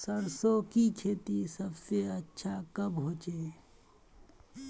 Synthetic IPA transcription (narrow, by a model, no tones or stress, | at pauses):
sɐɾsoːkit͡ʃʰeːt̪isɐbseɐtːʃʰakɐbɦoːt͡ʃeː